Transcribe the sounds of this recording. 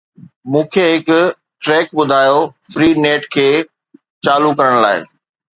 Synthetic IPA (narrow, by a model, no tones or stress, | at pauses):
mũːkʰeɦɪkʊ | ʈɾɛːk̚ɓʊd̪ʱaːjofɾiːneːʈkʰeː | t͡ɕaːlukɐɾəɽ̃la̰ːɪ̰